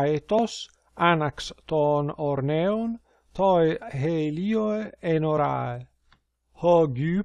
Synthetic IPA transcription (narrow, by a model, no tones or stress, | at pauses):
et̪os | anakst̪ɔːnoɾneon | t̪ɔjɦelioeenoɾa̰e | hɔɡy